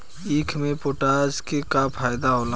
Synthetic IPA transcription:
iːkʰmẽpoʈaːd͡ʒkekapʰaːjd̪aɦoːlã

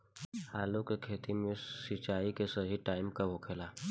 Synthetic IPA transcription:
haːlukekʰeːt̪imẽsit͡ʃaːikesəɦiʈaːɪmkaɦokʰelaː

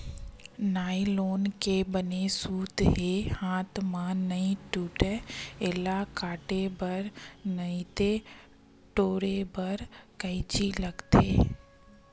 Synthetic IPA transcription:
naːiloːnkebənesuːt̪ɦehãːt̪ʰmãnɐĩʈuːʈɛɪlakaːʈebəɾnəĩt̪e | ʈoːɾebəɾkəit͡ʃilɐɡt̪eː

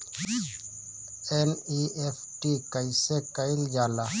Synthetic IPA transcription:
eniepʰʈikəisekəɪld͡ʒaːla

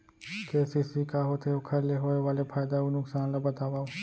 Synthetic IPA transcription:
keːsisikaɦoːt̪ʰeokʰɐɾleɦoːeʋaːlepʰaːjd̪aunʊksaːnlabɐt̪aːʋaːo

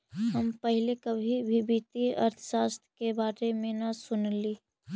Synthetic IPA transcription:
ɦəmpəɦɪlekəbʱibʱibit̪iə̰ɾt̪ʰə̥ʃaːst̪ʰɾkebaːɾemẽnasʊnliː

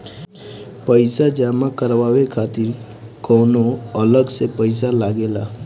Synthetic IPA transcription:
pəjsad͡ʒamãkəɾʋaʋekʰat̪iɾ | kɔnoələɡsepəjsalaɡela

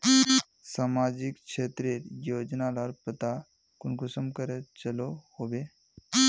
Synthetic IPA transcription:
samad͡ʒikʃʰet̪ɾeɾjoːd͡ʒnalaɾpət̪a | kunkusəmkəɾet͡ʃəlohoʋe

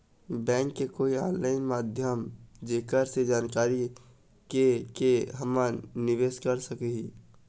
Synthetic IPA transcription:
bɛ̃ːŋkːekoːia̰ːnlaːɪnmaːd̪ʱjəmd͡ʒeːkəɾsed͡ʒaːnkaːɾi | kekeɦɐmanɪʋeːskəɾsəkeɦi

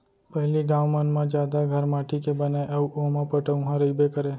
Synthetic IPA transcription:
pəɦliɡãːʋmənmãd͡ʒjaːd̪aɡʱəɾmaːʈʰikebəneʔəʋomãpəʈəʊ̃ɦãɾəibekəɾe

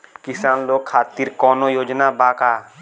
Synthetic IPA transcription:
kɪsaːnloːɡ̚kʰːaːt̪iɾkɔːnoːjoːd͡ʒnaːbaːkaː

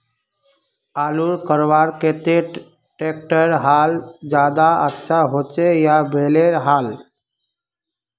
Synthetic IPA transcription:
aːluɾkəɾʋaɾket̪e | ʈek̚ʈəɾɦald͡ʒad̪aə̰tːʃʰaɦot͡ʃejabʱeleɾɦal

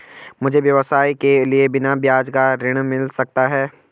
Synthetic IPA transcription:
mʊd͡ʒʱeʋjɐʋəsaːikeliebɪnabjaːd͡ʒkaɾɪɽ̃mɪlsɐk̚t̪aɦɛː

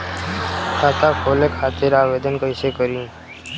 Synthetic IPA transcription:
kʰaːt̪aːkʰoːlekʰaːt̪eɾaːʋeːd̪ənkəɪseːkəɾĩː

